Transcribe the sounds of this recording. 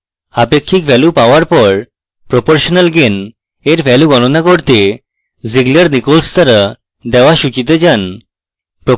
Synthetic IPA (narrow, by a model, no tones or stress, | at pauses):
apekʰːikbʱɛlupaoaɾpɔɾ | pɾopoɾʃonalɡen | eɾfɛluɡɔnonakoɾt̪e | ziɡleɾnikolst̪aɾa | d̪ɛoaʃut͡ɕit̪̬ed͡ʑan | pɾo